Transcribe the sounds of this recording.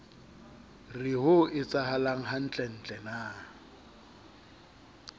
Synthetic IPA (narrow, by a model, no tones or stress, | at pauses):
rɪɦʊɪt͡sʼaɦalaŋ̩ɦan̩t͡ɬʼɛn̩ːt͡ɬʼɛnaː